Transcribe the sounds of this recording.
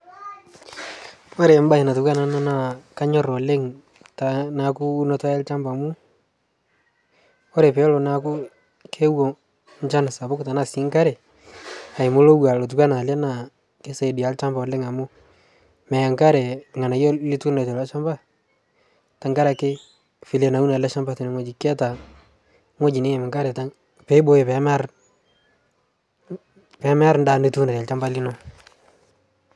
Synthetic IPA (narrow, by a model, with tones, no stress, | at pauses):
ɔ˦ɾɛ˨˦m˦ba˦ɛ˨na˨tu˨ka˦na˨na˦na˦˨ka˦ɲɔ˦ɾɔ˨le˦ŋ | ta˨na˨kuː˦nɔ˦tɔ˦ɛ˦lt͡ʃa˦mba˨mu˦ | ɔ˦ɾɛ˨pɛ˨˦lɔ˨na˨ku˦ | kʰe˦wɔ˨ | nt͡ʃa˦na˨sa˨bʊ˦kta˨na˨sɪ˨˦ŋka˦ɾɛ˨ | a˨ɪ˨mʊ˦lo˦wa˨lo˨t̬u˨kʷa˦na˨lɛ˦na˨ | ke˦sa˨di˨a˨˦lt͡ʃa˦mba˨lɪ˦ŋa˨mʊ˦ | mɛ˨ja˨ŋka˦ɾɛ˨ŋa˨na˨jɔ˦li˦tu˦na˨tɛ˨la˦ʃa˦mba˦ | ta˨ŋka˦ɾa˨kɪ˦ | fi˨le˨na˨˦u˦na˨lɛ˦ʃa˦mba˨tɪ˨nɛ˦ŋɔ˦d͡ʒi˨kɛ˦ta˨ | ŋo˦d͡ʒi˨ne˦jmɪ˨ŋka˦ɾɛ˨ta˦ŋ | pɛ˦bo˦ɪ˨pɛ˨˦ma˦ɾ | pɛ˨˦mɛ˦a˦ɾnda˨ni˦tu˦na˨ta˨lt͡ʃa˦mba˦li˦nɔ˦